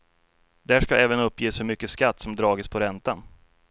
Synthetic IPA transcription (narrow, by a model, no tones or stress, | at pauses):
d̪̥æːʂkaɛːvənɵpːjeːsfɵmʏkːəskat̪ːsɔmd̪ɾɑːɡəspʰɔɾɛnt̪an